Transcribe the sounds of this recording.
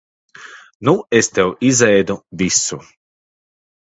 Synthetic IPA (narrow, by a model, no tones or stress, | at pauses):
nuest̪ɛwizɛjd̪uvʲisu